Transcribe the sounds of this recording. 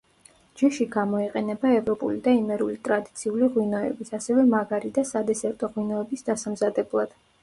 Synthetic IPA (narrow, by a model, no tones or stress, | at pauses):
d͡ʒɛʃiɡamɔiqʼɛnɛbaɛvɾɔpʼṵlid̪aimɛɾulit̪ʼɾad̪it̪sʰiuliʁwinɔɛ̰bisasɛvɛmaɡaɾid̪asad̪ɛsɛɾt̪ʼɔʁwinɔɛbisd̪asamzad̪ɛblˠad̪̥